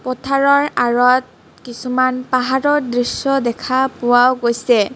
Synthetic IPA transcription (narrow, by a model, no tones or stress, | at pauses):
pɔtʰaɹɔɹaɹɔt̚ | kisumanpaɦaɹɔdɹisjɔdɛkʰapʊwawɡojsɛ